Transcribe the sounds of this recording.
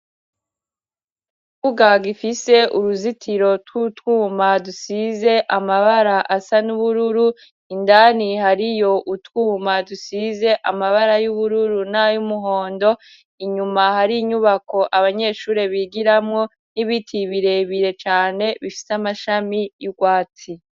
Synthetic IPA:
kuɡaɡifise̞ʔuɾuzitʰiɾo̞twutwuːmadusize̞ʔamaβaɾaʔasanuβuɾuɾu | indanihaɾijo̞ʔutwuːmadusize̞ʔamaβaɾajuβuɾuɾunajumuɦo̞ːndo̞ | iɲumahaɾiɲuβako̞ʔaβaɲe̞ːʃuːɾe̞βiɡiɾamŋo̞ | niβitʰiβiɾe̞βiɾe̞t͡ʃaːne̞βifi̥samaʃamijuɡwaːt͡si

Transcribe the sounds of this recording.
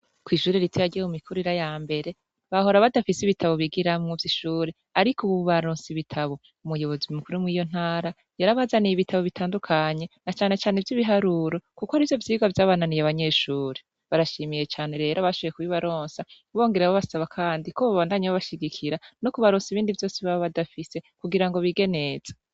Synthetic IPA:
kwiːʃuːɾeɾitʰejaɟiemumikʰuɾiɾajaːmbe̞ɾe̞ | βaɦo̞ɾaβadafisiβitʰaβo̞βiɡiɾamŋovjiʃuːɾe | aɾikuβuβuβaɾoːnsiβitʰaβo̞ | umujo̞βo̞zimukuɾumŋiːjo̞n̥haːɾa | jaɾaβazaniβitʰaβo̞βitʰaːndukʰaɲe̞nat͡ʃaːne̞t͡ʃaːnevjiβiɦaɾuːɾo̞kukoaɾivjo̞vjiːɡwavjaːβaːnanijaβaɲe̞ʃuːɾe | βaɾaʃiːmije̞t͡ʃaːne̞ɾe̞ːɾaβaʃojekuiβaɾoːnsauβo̞ːŋɡeɾeβaβasaβakʰaːndikoβaβaːndaɲeβaβaʃiɡikʰiɾano̞kuβaɾoːnsiβiːndivjo̞ːsiβaβoβadafise̞kuɡiɾaŋɡo̞βiɡe̞ne̞z̥ḁ

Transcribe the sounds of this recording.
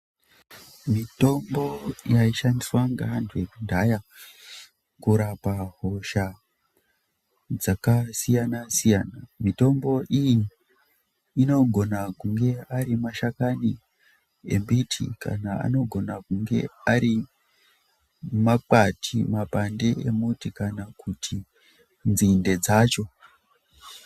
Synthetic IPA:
mito̞mbo̞jaiʃandiswaŋɡaɦantʰuje̞kundʱaja | kuɾapaɦo̞ʃa | d͡zakasijanasijaːnamito̞mbo̞ʔiji | no̞ɡʱo̞nakuŋɡe̞aɾimaʃakani | e̞̰mbitʰḭka̰naa̰no̞ɡʱo̞nakuŋɡe̞̰aɾi | mak͡patʰḭmapande̞ʔemutikanakutʰi | nzinde̞d͡zaːt͡ʃo̞

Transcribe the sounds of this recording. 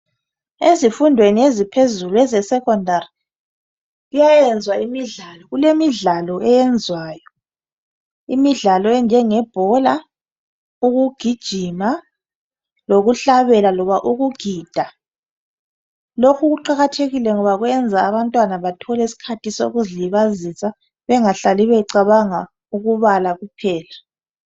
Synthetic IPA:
ezifundʱweniezipʰezuluɛzɛsɛkʰʼɔndʱari | ɣujajɛnd͡zʱwaimiɮalɔɣulemiɮalɔʔɛjɛnd͡zʱwaːjɔ | ḭmiɮalɔɛnd͡ʒʱɛŋɛb̥ʱɔla | uɣuɡ̥ʱid̥ʒ̥ʱima | loɣuɬaβɛlalɔβaʔuɣuɡ̥ʱiːd̥ʱa | lokʰuɣuǃaɣatʰeɣilɛŋɔβaɣwɛnd͡zʱaːβantʼwanaβatʰɔlɛisi̥kʰatʰiso̰ɣuziliβazisa | βɛŋaɬaliβɛǀaβaŋa | uɣuβalaɣupʰɛːla

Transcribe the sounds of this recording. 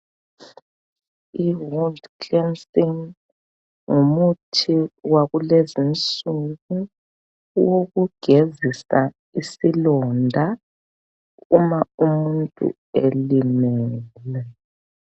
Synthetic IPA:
iɦoldkɛnsiŋ | ŋumutʰiwaɣulezint͡sʼuɣu | woɣuɡ̥ʱezisa | isilɔndʱa | umaumuntʼṵ | elimɛːlɛ

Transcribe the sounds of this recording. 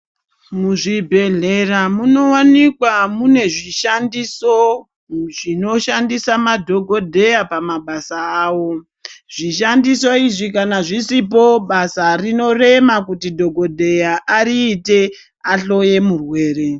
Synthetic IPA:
muʐibʱe̞ɮe̞ramuno̞wanikwamune̞ʐiʃandiso | ʐino̞ʃandisamadʱo̞ɡʱo̞dʱe̞japamaɓasaaːwo̞ | ʐ̥iʃandiso̞iʐikanaʐisip̬o̞ɓasarino̞re̞makutidʱo̞ɡʱo̞dʱe̞jaʔaɾiːte̞ | aɬo̞je̞murwe̞ːɾe̞

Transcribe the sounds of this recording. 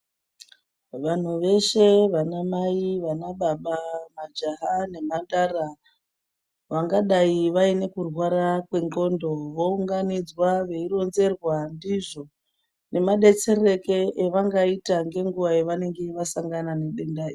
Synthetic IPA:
ʋan̤uʋe̞ʃe̞ʋanamaiʋanaɓaɓamad͡ʒaɦane̞mandara | ʋaŋɡaɗaiʋaine̞kurwaɾakwe̞ŋɡo̞ndo̞ʋo̞uŋɡanid͡zwaʋe̞iro̞nze̞rwandiʐo | ne̞maɗe̞t͡se̞re̞ke̞eʋaŋɡaitaŋɡe̞ŋɡuʋajeʋane̞ŋɡe̞ʋasaŋɡanane̞ɗe̞ndai

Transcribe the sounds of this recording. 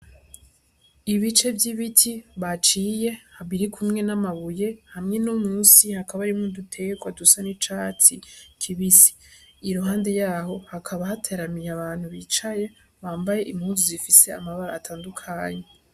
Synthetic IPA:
iβit͡ʃe̞vjiβitʰiβat͡ʃije̞haβiɾikʰumŋe̞namaβuje̞hamŋe̞numuːnsihakaβaɾimŋodutʰe̞ɡekwadusanit͡ʃaːt͡sikʰiβisi̥iɾuɦaːnde̞jaːɦo̞hakʰaβahatʰeɾamijaβaːn̥huβiːt͡ʃaje̞ | βaːmbaje̞ʔimhuzuzifise̞a̰maβaɾa̰ːtʰaːndukʰaːɲe̞

